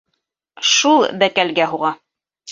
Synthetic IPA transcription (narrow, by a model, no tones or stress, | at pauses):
ʃulˠbækælɡæɦuʁɑ